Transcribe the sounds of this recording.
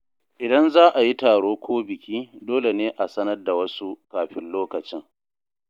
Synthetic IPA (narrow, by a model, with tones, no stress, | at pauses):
ʔɪ˨dɐ˦nzaː˦ʔa˨ji˦taː˨ɽoː˦kʷʰoː˦bɪ˨kʲiː˦doː˦le˨neː˦ʔa˨sɐ˦nɐ˦rda˨wɐ˦su˦kaː˨ɸɪ˦nloː˦kɐ˨t͡ʃɪ˦ŋ